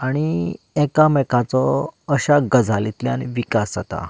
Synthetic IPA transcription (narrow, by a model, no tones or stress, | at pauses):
aɽ̃i | ɛkamɛkat͡sɔəɕaɡəd͡zʱalit̪ljanʋikasd͡zat̪a̰